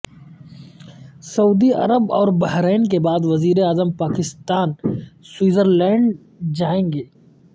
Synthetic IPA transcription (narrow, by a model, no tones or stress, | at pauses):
sɐuːd̪iɐ̰ɾəbɔːɾbɐɦɾɛːnk̬ebaːd̪ʋɐziːɾeaːzəmpaːkɪst̪aːnswiːzəɾlɛ̃ːɳɖ | d͡ʒaːẽːŋɡeː